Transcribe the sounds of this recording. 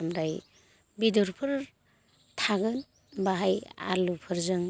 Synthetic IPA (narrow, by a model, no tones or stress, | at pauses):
mɾaj | bidɔɾpʰɯɾ | tʰaɡɯn | baɦaja̰lupʰɯɾzɯŋ